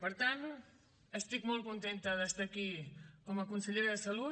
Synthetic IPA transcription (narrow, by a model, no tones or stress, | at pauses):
pɐɾt̪ant̪u | est̪ikmolkont̪ent̪ɐðest̪akikomɐkonseʎejɾɐðɐsɐlu